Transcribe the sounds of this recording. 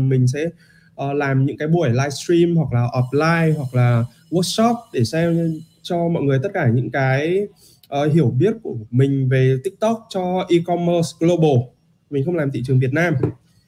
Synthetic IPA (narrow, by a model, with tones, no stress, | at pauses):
mï˨˩ŋ̟sɛ̰˧˥ | ʔəː˨˩laː˨˩mɲɨ̰˧˥ŋkaː˨˦jɓu˧˩əjlaː˧jstɹi˧mhwa˨˩k̚laː˨˩ʔɔ˨˩p̚laː˧jɦwa˨˩k̚laː˨˩ | wə˦˥k̚sɔ˦˥p̚ɗe˧˩sɛ˧m | t͡ɕɔ˧mɔ̰˧˨jŋɨ˨˩əjt̪ə˦˥t̚kaː˧˩ɲɨ̰˧˥ŋkaː˨˦j | ʔəː˨˩ɦi˧˩əwɓi˦˥ət̚ku˧˩əmï˨˩ŋ̟ve˨˩t̪ï˦˥k̚t̪ɔ˦˥k̚t͡ɕɔ˧ʔi˧kɔ˧mə˧sɡlo˧ɓo˨˩ | mi˨˩ŋ̟xə˧wŋ͡mlaː˨˩mt̪ḭ˧˨t͡ɕɨ˨˩əŋvi˨˩ət̚naː˧m